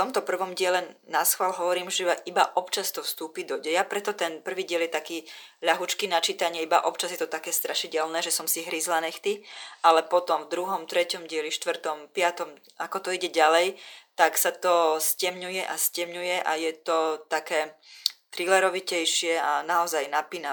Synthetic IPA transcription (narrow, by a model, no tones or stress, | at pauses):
ft̪ɔmt̪ɔpr̩ʋɔmɟɪɛlɛnasxʋalɦɔʋɔɾiːmʒɛaʔibaʔɔpt͡ʃast̪ɔfst̪uːpid̪ɔɟɛjapɾɛt̪ɔt̪ɛnpr̩ʋiːɟɪɛljɛt̪akiːʎaɦut͡ʃkinat͡ʃiːt̪aɲɪɛiba̰ʔɔpt͡ʃazjɛt̪ɔt̪akɛːst̪ɾʔaʃiɟɛlnɛːʒɛsɔmsiɦɾizlanɛxt̪iʔalɛpɔt̪ɔmvd̪ɾuɦɔmt̪ɾɛcɔmɟɪɛliʃt̪ʋr̩t̪ɔmpɪat̪ɔm | ʔakɔt̪ɔiɟɛɟalɛjt̪aksat̪ɔscɛmɲujɛʔascɛmɲujɛʔajɛt̪ɔt̪akɛːt̪ɾilɛɾɔʋicɛjʃɪɛanaɔzajnapina